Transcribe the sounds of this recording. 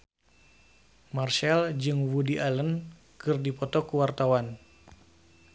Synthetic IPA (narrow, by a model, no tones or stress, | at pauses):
marʃɛld͡ʒɨŋwudiʔalən | kɨrdipɔt̪ɔkuwart̪awan